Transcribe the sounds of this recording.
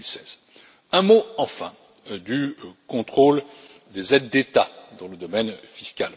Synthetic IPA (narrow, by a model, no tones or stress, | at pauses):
ilsɛz̥ | ɛ̃moɑ̃fɛ̰̃ | d̪ykɔ̃t̪χol | d̪ezɛd̪ːet̪ad̪ɑ̃ləd̪ɔmɛnfiskʲal